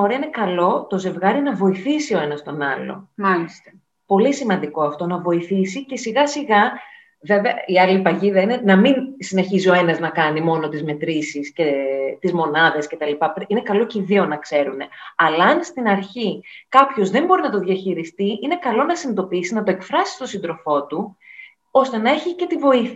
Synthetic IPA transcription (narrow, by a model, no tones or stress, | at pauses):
oɾeɐine̞kɐlo̞t̪o̞ze̞vɣɐɾinɐvo̞iθisio̞e̞nɐst̪o̞nɐ̰lo̞̰alist̪ | po̞lisimɐnd̪iko̞ɐft̪o̞nɐvo̞iθisice̞siɣɐsiɣɐ | veveɐiɐlipɐʝiðɐine̞nɐminsine̞çizio̞e̞nɐznɐkɐnimo̞no̞t̪izme̞t̪ɾisisce̞t̪izmo̞nɐðe̞sce̞t̪ɐlipɐpɾine̞kɐlo̞ciðio̞nɐkse̞ɾune̞ɐlɐɐnst̪inɐɾçikɐpço̞zðe̞mbo̞ɾinɐt̪o̞ðjɐçiɾist̪iine̞kɐlo̞nɐsinid̪o̞piisinɐt̪o̞e̞kfɾɐsi̥st̪o̞sind̪ɾo̞fo̞t̪u | o̞st̪e̞nɐe̞çice̞t̪ivo̞iθ